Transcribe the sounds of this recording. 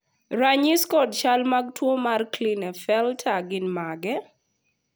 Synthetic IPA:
ɾaɲiskɔdt͡ʃalmaɡ̚twomarklinɛfɛltʰaɡɪnmaɡɛ

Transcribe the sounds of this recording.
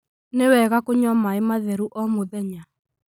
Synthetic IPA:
newɛɣakoɲɔmaemaðɛɾuʔɔmoðɛɲa

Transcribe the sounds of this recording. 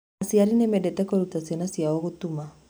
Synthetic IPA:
asiaɾinemɛdɛtɛkɔɾutasjɛnasijaɔɣutuma

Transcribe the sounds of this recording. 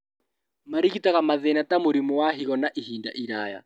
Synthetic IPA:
maɾikitaɣamaðɛnatamoɾimuwaɦiɣɔnaʔiɦinda̰ʔiɾaja̰

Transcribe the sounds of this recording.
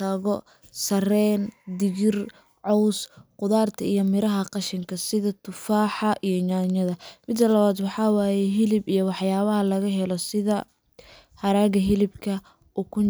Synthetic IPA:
ɐɣɔ | sɐrɛːnd̪ɪɣɪr | ʕɔwsqʊðaːrt̪ʰɐijɞmɪɾɐɦɐqɑʃɪŋkʰɐsɪðɐt̪ʰʊfaːħɑʔijɞɲaːɲɐðɐmɪd̪ːɐlɐβaːd̪wɑħɑːwaːjɛɦɪlɪbijɔwɑħjaːβɐɦɐlɐɣɐɦɛlɔsɪðɐ | hɐɾaːɣɐɦɪlɪbkʰɐ | ʔukʰʊ

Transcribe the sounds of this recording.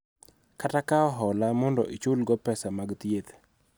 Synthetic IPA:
katakaɔɦɔlamɔndɔ̰ʔit͡ʃulɡɔpɛsamaɡt̪jet̪

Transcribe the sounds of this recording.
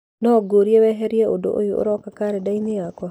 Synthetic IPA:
nɔɡoɾiewɛɦɛɾiɛʔodo̰ʔo̰joo̰ɾɔkakaɾedainiakwa

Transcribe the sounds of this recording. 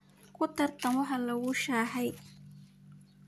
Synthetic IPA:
kʰʊt̪ʰɐrt̪ʰɐmɔɦɐlɐwʊʃaːɦɛj

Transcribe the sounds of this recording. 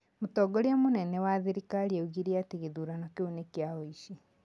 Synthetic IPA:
mutɔɡɔɾjamonɛnɛwaðiɾikaɾieuɣiɾiateɣeðuɾanɔkeunekjaɔiʃi

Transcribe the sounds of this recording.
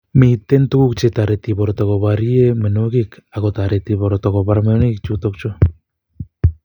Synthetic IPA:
mejt̪ent̪ukukt͡ʃet̪aɾet̪iβoɾot̪okoβaɾiemenokikakot̪aɾet̪iβoɾot̪okoβaɾmeonekt͡ʃut̪ok̚t͡ʃo

